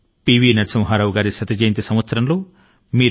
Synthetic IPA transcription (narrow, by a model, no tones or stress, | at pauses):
piːʋiːnɐɾsɐmɐɦaːɾaːʋuɡaːɾisɐt̪ɐd͡ʒeːnt̪isɐmʋɐt̪sɐɾɐmlo̞ː | miː